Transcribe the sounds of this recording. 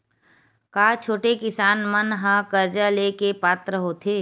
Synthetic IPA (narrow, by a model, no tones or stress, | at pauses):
kaːt͡ʃʰoːʈekɪsaːnmənɦãkəɾd͡ʒaleːkepaːt̪ɾəɦoːt̪ʰeː